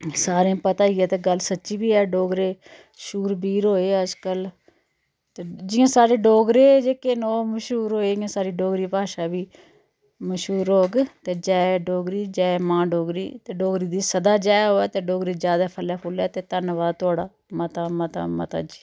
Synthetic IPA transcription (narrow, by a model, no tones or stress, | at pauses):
saːɾẽpət̪aːiɛːt̪eːɡəlsətːʃiːbiːɛːɖoːɡɾeː | ʃuːɾbiːɾɦoːeːəd͡ʒkəl | t̪eːd͡ʒɪːãːsaːɾeːɖoːɡɾeːd͡ʒeːkenoːməʃuːɾoːeːd͡ʒɪãːsaːɾiːɖoːɡɾiːpaːʃaːbiː | məʃɦuːɾɦoːɡt̪eːd͡ʒɛːeɖoːɡɾiːd͡ʒaːemãːɖoːɡɾḭːt̪eːɖoːɡɾiːd̪iːsəd̪aːd͡ʒaːjɦoːɛːt̪eːɖoːɡɾiːd͡ʒjaːd̪aːpʰəlɛːpʰʊlɛːt̪eːt̪ənʋaːt̪ʊaːɽaː | mət̪aːmət̪a̰ːmə̰t̪a̰ːd͡ʒiː